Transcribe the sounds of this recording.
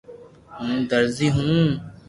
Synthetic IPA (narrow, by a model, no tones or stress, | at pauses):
hũːd̪əɾziːɦũː